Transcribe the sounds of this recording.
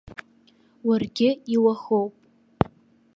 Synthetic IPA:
warɡʲɪiwaχowpʼ

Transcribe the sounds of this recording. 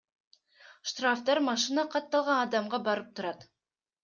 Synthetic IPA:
ʃt̪raft̪ɑɾmɑʃɨnɑqɑt̪ːɑlˠʁɑnɑd̪ɑmʁɑbɑɾɤp̚t̪ŏɾɑt̪

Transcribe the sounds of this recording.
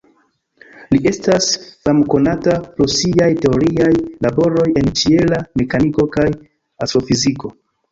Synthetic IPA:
liʔe̞stasfamko̞natapɾosiajte̞o̞ɾiajlabo̞ɾo̞je̞nt͡ʃie̞lame̞kaniko̞kaj | asɾo̞fiziko̞

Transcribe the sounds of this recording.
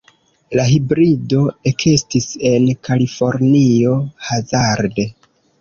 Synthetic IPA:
laɦibɾido̞ekʰestise̞nkalifo̞ɾnio̞hazaɾde

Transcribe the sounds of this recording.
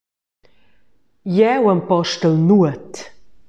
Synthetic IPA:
jɛwəmpɔʃtəlnuət

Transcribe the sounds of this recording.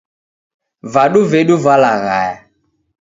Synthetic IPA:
vaɗuvɛɗuvalaɣa̰ja

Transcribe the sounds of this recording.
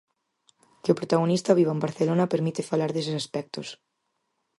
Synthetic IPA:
keʊpɾot̪aɣonist̪aβiβaembaɾθelonapeɾmit̪ɪfalaɾðes̬ɪsaspɛk̚t̪os

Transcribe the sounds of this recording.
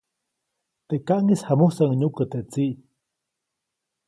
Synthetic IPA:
t̪eʔkaʔŋishamuhsaŋɲukət̪eʔt͡siʔ

